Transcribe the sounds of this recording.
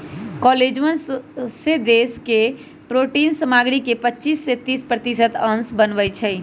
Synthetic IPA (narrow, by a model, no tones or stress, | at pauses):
kɔled͡ʒʋənssed̪eːske | pɾoːʈinsəmaɡɾikepətːt͡ʃiːsːet̪iːspɾət̪isət̪ənsbənbət͡ʃʰɛ